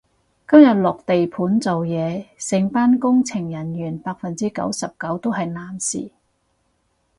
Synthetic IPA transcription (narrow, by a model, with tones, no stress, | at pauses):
kɐ˥mjɐ˨t̚lʊ˨k̚t̪e˨jpʰuː˨˥nt͡so˨wjɛː˨˧sɪ˨˧ŋpaː˥nkʊ˥ŋt͡sʰɪ˨˩ŋjɐ˨˩njyː˨˩npaː˧k̚fɐ˨nt͡siː˥kɐ̰˨˥wsɐ˨p̚kɐ˨˥wt̪o˥wɦɐ˨jnaː˨˩nsḭː˨˩